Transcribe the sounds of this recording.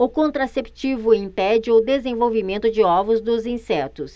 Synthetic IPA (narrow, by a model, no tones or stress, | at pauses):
ʊkõnt̪ɾasept͡ʃivʊĩpɛd͡ʒɪʊd̪ezẽvowvimẽnt̪ʊd͡ʒɪɔvʊzd̪ʊzĩsɛt̪ʊs